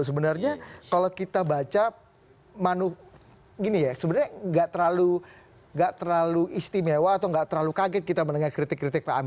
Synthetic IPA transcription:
səbənarɲakalokit̪abat͡ʃa | manʊh | ɡinijasəbənarɲaŋɡaʔt̪əɾlalu | ŋɡaʔt̪ərlaluʔist̪imewaːt̪awŋɡaʔt̪əɾlalukaɡɛt̪̚kit̪amənəŋakɾit̪ɪkːɾit̪ɪk̚paami

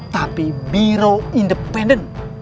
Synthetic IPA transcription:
t̪apimiɾoindəpɛndən

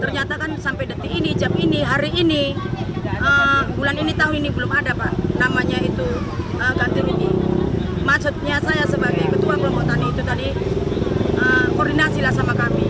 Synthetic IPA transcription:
t̪ərɲat̪akansampajdət̪iinid͡ʒaminiɦaɾiːni | ʔəmbulaninit̪aɦʊninibəlʊmadapaʔnamaɲait̪u | əɡant̪ʊŋini | maʔsʊt̪̚ɲasajasəbaɡajaŋkət̪uabulamkɔt̪aniːt̪ut̪adi | əmkɔrdinasilahsamakami

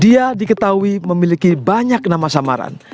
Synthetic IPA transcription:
diadikət̪auiməmilikibaɲak̚namasamaɾa̰n

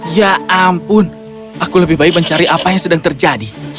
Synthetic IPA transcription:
jaampʊn | ʔakuləbɪhbaɪk̚məɲt͡ʃaɾiʔapajaŋsədaŋt̪ərd͡ʒadi

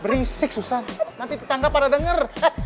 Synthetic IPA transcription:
bəɾisɪk̚susannant̪it̪ət̪aŋɡapːaɾadəŋər

